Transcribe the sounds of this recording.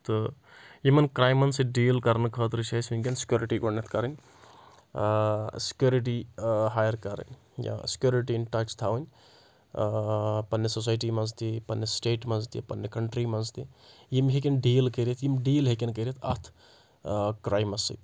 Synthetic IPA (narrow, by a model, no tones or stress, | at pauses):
t̪ɨ | jimɐnkɾaːjmɐnsiɖiːlkɐɾnkʰət̪ɾit͡ʃʰasinkʲensi̥kʲjoːɾiʈiɡonet̪ʰkɐɾənʲ | si̥kjoːɾiʈ̬iɦaːjɐɾkɐɾə̰nʲ | ja̰si̥kjoːɾiʈ̬inʈɐt͡ʃʰt̪ʰaʋənʲ | pɐnːesos̬aːjʈimɐnzt̪ipɐnːesʈeːʈmɐnzt̪ḭpɐnːekɐɳʈɾimɐnzt̪ijimɦek̬ʲenɖiːlkəɾet̪ʰjimɖiːlɦekenkɐɾit̪ʰɐ̰t̪ʰ | kɾaːjmɐsḭ